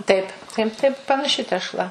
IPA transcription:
ˈtɐɪp tɐɪp ˈtɐɪp pɐnɐˈʃʲɪ tʲɛʃˈlˠɐ

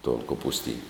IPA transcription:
toːn koːpʊsʲˈtʲiːnʲ

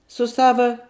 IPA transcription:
sʊ ˈsɑːʋɐ

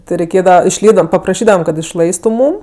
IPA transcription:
ˈtʲɪ rʲɛɪˈkʲeːdɐʋɐ ɪʃʲˈlʲiːbdɐʋɐm pɐprɐˈʃʲiːdɐʋɐm kɐt ɪʃˈlˠɐɪstʊ ˈmuːm

